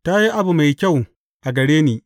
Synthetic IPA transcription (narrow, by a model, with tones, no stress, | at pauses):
ta˦ji˦ʔa˦bu˨ma˨jkʲa˦˨w | ʔa˨ɡɐ˨ɽeː˦niː˨